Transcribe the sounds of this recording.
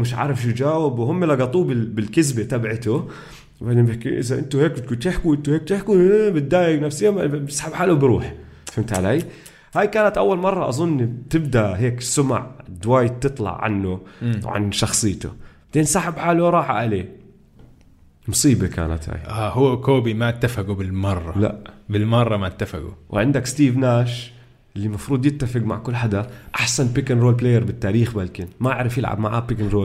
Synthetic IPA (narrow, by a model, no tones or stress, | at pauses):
mɪʃʕa̰ːɾˤɪfʃud͡ʒaːwɪbwhʊmːelɑɡɑt̪ˤuːbɪbɪlkɪzbet̪abʕɪt̪ʊ | bad̪ɪbɪkʔɪ̰zaʔɪnt̪ʊheːkt̪kuːnt̪ɪħkuwʔɪnt̪ʊheːk̚t̪ɪħkubɪd̪ːaːjɪɡnafsɪjːabɪsḁħabħaːlubɾṵːħ | fɪmt̪ʕalaːj | haːjkaːnat̪ʔawːalmɑrˤːɑʔɑzˤʊnːt̪ɪbd̪aʔɦeːksʊma̰ʕd̪waːj̚t̪ːɨt̪ˤlɑ̰ʕʕa̰nːʊwʕa̰nʃɑxsˤɨjːt̪ʊ̰ | d̪̥eːnsaːħɪbħaːluɾˤɑːħa̰ʔaleː | mʊsˤiːbeka̰ːna̰t̪ha̰ːjʔaːhʊːakoːbimaʔt̪ːafaɡubɪlmɑrˤːɑla̰ʔbɪlmɑrˤːɑmat̪ːafa̰ɡṵwʕɪ̰nd̪akst̪iːvnaːʃ | ʔɪlːimɑfɾˤuːd̪ˤjɪt̪ːafɪɡma̰ʕkʊlːħad̪aʔaħsanpikɪnɾoːlp̬leːjːaɾˤbɪt̪ːaːɾiːxbaːlkɪnmaʔaʕɾɪfjɪlʕa̰bmaʕaːpɪkɪnɾoːl